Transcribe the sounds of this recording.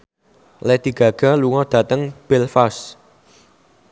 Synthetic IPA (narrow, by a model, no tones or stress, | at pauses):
lɛd̪̥i̤ɡ̥a̤ɡ̥a̤luŋɔd̪̥a̤t̪əŋb̥ɪlfas